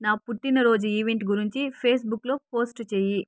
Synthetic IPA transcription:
naːpuʈːinɐɾo̞ːd͡ʒuiːʋeɳʈɡuɾiɲt͡ʃipʰe̞ːsbukːlo̞ːpo̞ːsʈt͡ʃeːji

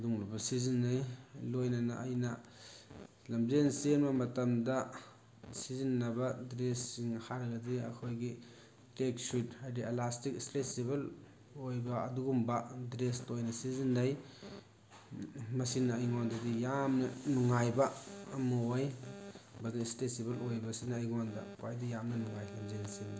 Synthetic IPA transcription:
duŋlubɐsizinːɐjlojnɐna̰ʔːjnɐ | lɐmzensenmɐmɐtɐmdɐ | sizinːɐbɐdɾesːiŋhaɾɐɡɐdiɐ̰kʰojɡi | tek̚sut̚hajdielastikslesebel | ojbɐɐduɡumbɐdɾestojnɐsizinːɐj | mɐsinɐːjŋondɐdijamnɐnuŋajbɐːmɐoj | bɐznɐistesibelojbɐsinɐːjŋondɐ̰kwajdijamnɐnuŋajlɐmzensemda

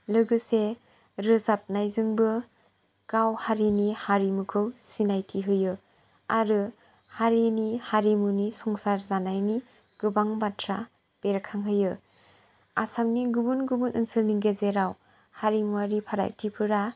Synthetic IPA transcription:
lɯɡɯse | ɾɯzap̚najzɯŋbɯ | ɡ̥awhaɾinihaɾimɯkʰɯwsinajtʰiɦɯjɯ | aɾɯ | haɾinihaɾimunisɔŋsaɾzanajni | ɡ̥ɯbaŋbatʰɾa | b̥eɾkʰaŋɦɯjɯ | asamniɡubunɡɯbunʔɯnsɯlniŋɡezeɾaw | haɾimuaɾipʰaɾa̰jtʰipʰɯɾa

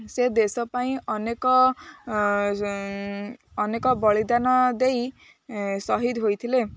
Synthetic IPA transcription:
sed̪esɔpaĩʌnekɔ | nekɔbʌɭid̪anɔd̪ej | sʌɦid̪ɦojt̪ʰile

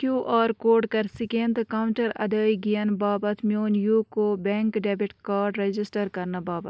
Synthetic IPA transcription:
kjuːʔɔːɾkoːɖkɐɾsɪkẽːnd̪kaːʊ̃ɳʈəɾɐ̰d̪əːiɡijənbaːbɐt̪ʰmjoːnjuːkobɛ̃ːŋkɖɛːbɪʈkaːɾɖɾed͡ʒɪsʈəɾkɐɾnabaːbət̪

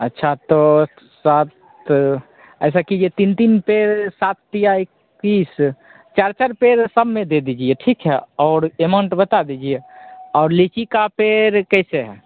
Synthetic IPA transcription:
ətːʃʰat̪ɔ | sat̪ | ɛːs̬akid͡ʒiet̪int̪iːnpeːɾsat̪ːijaikː | iːs | t͡ʃaɾt͡ʃaɾpeːɾsəbʱmẽd̪ed̪id͡ʒieʈʰikɦɛɔːɾemə̃ɳʈbət̪ad̪id͡ʒieɔːɾlit͡ʃikapeːɾkɛseɦɛ

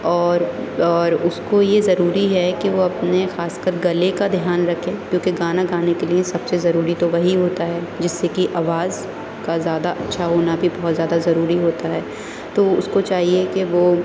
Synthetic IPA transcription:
ɔːɾɔːɾʊskojezɐɾuːɾiɦɛkiʋoɐpnexaːskəɾɡɐlekad̪ʱjaːnɾɐkʰẽkjõːkeɡaːnaɡaːnekeliẽsɐbsezɐɾuːɾit̪oʋɐɦiɦoːt̪aɦɛːd͡ʒɪsːekiʔaːʋaːz | kazjaːd̪aʔɐtːʃʰaɦoːnabʱibɐɦɔt̪zjaːd̪azɐɾuːɾiɦoːt̪aɦɛː | t̪oʊskot͡ʃaːɦiekeʋoː

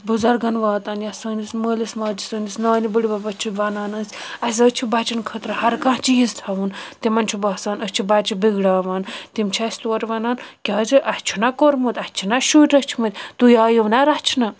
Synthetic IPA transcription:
buzɐɾɡɐnʋaːt̪aːnjasəːnisməːlismaːd͡ʒisəːnisnaːnibəɽibɐbɐt͡ʃʰiʋɐnaːnəsʲɐs̬ʲət͡ʃʰibɐt͡ʃinkʰət̪ɾɨhɐɾkãɦt͡ʃijizt̪ʰaʋunt̪imɐnt͡ʃʰubaːsaːnət͡ʃʰibɐt͡ʃʰibiɡɽaːʋaːnt̪imt͡ʃʰiɐsʲt̪oːɾʲʋɐnaːnkʲaːd͡ʒɨʔɐt͡ʃʰunakoɾmut̪ʲɐht͡ʃʰinaʃuːʈʲət͡ʃʰumɐt̪ʲt̪ujaːjiʋnaɾɐt͡ʃʰinɐ

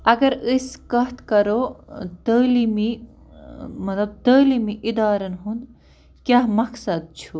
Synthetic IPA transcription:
ɐɡɐɾɨskɐɦt̪kɐɾod̪əːlimi | mɐt̪lɐb̚t̪əːlimiʔid̪aːɾɐnɦund̪ | kjaɦmɐksɐd̪̚t͡ʃʰu

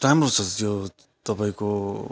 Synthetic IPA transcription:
ʈamrut͡sʰʌjo | t̪ʌpaĩko

